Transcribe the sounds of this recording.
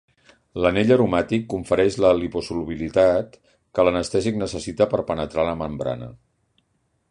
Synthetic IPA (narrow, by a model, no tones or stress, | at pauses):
ləneʎəɾumat̪ikːuɱfəɾɛʃləlipusuluβilit̪at̪ | kələnəst̪ɛziknəsəsit̪əpəɾpənət̪ɾaləməmbɾa̰nə̰